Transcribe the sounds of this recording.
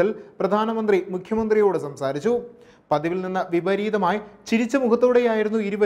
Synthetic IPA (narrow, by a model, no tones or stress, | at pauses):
ɐlprɐd̪ʱaːnɐmɐnd̪rimukʰjɐmɐnd̪rijo̞ːɽɨsɐmsaːɾit͡ɕːu | pɐd̪ɐʋilninːɐʋibɐɾiːðɐmaːjit͡ɕiɾit͡ɕːɐmukʰɐt̪ːoːɽejaːjiɾunːuiɾubɐ